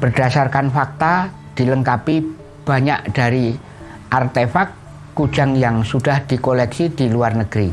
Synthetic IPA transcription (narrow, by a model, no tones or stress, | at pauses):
b̥ərd̥asarkanfak̚t̪a | d̪̥iləŋkapi | b̥a̤ɲaʔd̥aɾi | ʔart̪efakː | u̥d͡ʒ̥aŋjaŋsud̥ahd̪̥ikolɛksid̪̥iluarnəɡ̥ɾi